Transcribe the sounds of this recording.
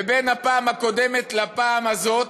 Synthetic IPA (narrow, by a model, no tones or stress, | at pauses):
ebenhapaːmako̞d̪emet̪lapaamazo̞t